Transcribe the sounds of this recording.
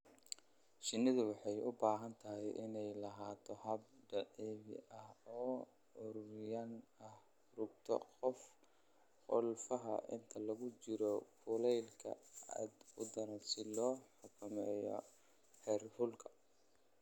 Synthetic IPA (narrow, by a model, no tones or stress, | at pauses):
ʃɪnːɪðʊwɑħɑjʊbaːɦɐnt̪ʰɐɦɛjʔɪnɛjlɐɦaːt̪ʰɔhɐb̚ɖɐʕɛːβɪ̰ʔɐhɔː | ʊɾʊrɪjanɐh | rʊɡ̚t̪ʰɔ̰qɔf | qʊlfɐɦɐ̰ʔɪ̰nt̪ʰɐlɐɣʊt͡ʃɪɾɔfʰʊlɛjlkʰɐ̰ɐ̰d̪ʊd̪ɐnɐsɪlɔːħʊkʰɐmɛːjɔ̰ | ħɛːrhʊlkʰɐ̥